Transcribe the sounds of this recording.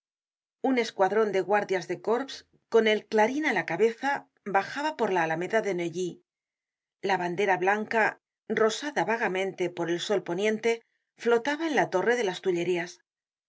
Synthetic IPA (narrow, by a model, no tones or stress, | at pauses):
une̞skwaðɾo̞nd̪e̞ɣwaɾðjazðe̞ko̞ɾps | ko̞ne̞lklaɾinalakaβe̞θa | baxaβapo̞ɾlaːlame̞ðaðe̞neʎi | laβand̪e̞ɾaβlaŋka | ro̞saðaβaɣamẽ̞nt̪e̞po̞ɾe̞lso̞lpo̞njẽ̞nt̪e̞ | flo̞t̪aβaenlat̪o̞re̞ðe̞last̪uʎe̞ɾias